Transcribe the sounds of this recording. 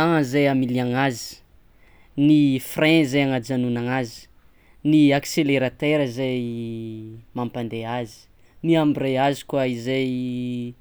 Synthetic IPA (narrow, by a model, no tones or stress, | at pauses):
aŋəzajamilaŋazi̥ | nifrɛ̃zajaŋad͡ʒanunaŋazi̥ | niakseleɾat̪eɾəzaj | mampand̪eazi̥ | niambirejazi̥kwaizej